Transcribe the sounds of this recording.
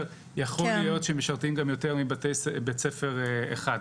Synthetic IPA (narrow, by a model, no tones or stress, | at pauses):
jaχolːijo̞tʃemeʃaʁtimɡamjo̞te̞ʁmibatejsbet͡sefe̞ʁḛχad